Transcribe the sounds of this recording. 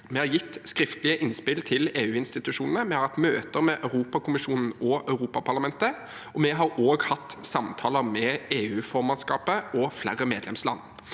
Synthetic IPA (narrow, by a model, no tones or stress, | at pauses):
mɛhɑɾʁjɪt̪ːskɾɪft̪lɪəʔɪnspɪlt̪ʰɪleːʉːɪnst̪ɪt̪ʉʃʂuːnənəmɛhɑɾhɑt̪møːt̪əɾmɛʔɑʉʁuːpɑkʰʊmɪʃuːnn̩ɔœʉʁuːpɑpʰɑʁlɑmɛnt̪ə | ʔɔmɛɦɑɾoːɡhɑt̪ːsɑmt̪ʰɑːləɾmɛeːʉːfɔʁmɑnskɑːpəɔflæʁəmeːd̪lɛmslɑ̰nː